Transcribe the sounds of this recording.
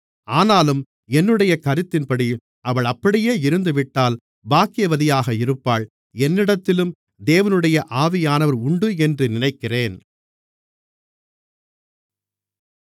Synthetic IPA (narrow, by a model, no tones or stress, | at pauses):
aːnaːlɯm | ɛnːɯɽɐjɐkɐɾɯt̪ːɪnpɐɽi | ɐʋɐɭɐpːɐɽɪjeːɪɾɯnd̪ɯʋɪʈːaːl | baːkɪjɐʋɐðɪjaːɣɐɪɾɯpːaːɭ | ɛnːɪɽɐt̪ːɪlɯm | d̪eːʋɐnɯɽɐjɐʔaːʋɪjaːnɐʋɐɾʊɳɖɯɛndrɯnɪnɐɪkːɪreːn